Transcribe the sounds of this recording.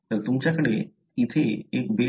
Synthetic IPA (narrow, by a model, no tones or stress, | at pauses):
t̪ət̪ʊmt͡ɕakəɽe | ɪt̪ʰeekbe